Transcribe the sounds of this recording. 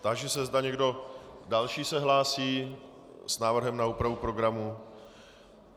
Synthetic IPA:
t̪aɡʒɛsɛzdaɲɛɡdo̞dalʃiːsɛɦlaːsiː | snaːvr̩ɦɛmnauːpɾavupɾo̞ɡɾamu

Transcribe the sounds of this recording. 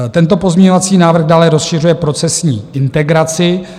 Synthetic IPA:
t̪ɛnt̪o̞po̞zmɲɛɲo̞vat͡siːnaːvr̩xdaːlɛɾo̞sʃɪrujɛpɾo̞t͡sɛsɲiːʔɪnt̪ɛɡɾat͡sɪ

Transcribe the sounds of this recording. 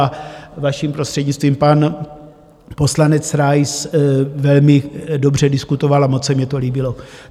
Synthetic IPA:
avaʃimpɾo̞st̪r̥ɛdɲɪt͡st̪viːmpan | po̞slanɛt͡sɾajsvɛlmɪdo̞br̝ɛdɪskut̪o̞valamot͡ssɛmɲɛt̪o̞liːbɪlo̞

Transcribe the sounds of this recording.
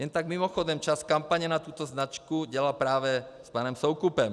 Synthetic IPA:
jɛnt̪aɡmimɔxɔd̪ɛmt͡ʃaskampaɲɛnat̪uːt̪ɔznat͡ʃkuɟɛlapɾaːʋɛspaːnɔmsɔʊkupɛm

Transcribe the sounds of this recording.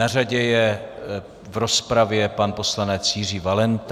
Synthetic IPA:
araɟɛjɛ | vɾo̞spɾavjɛpanpo̞slanɛt͡sjir̝iːvalɛnt̪

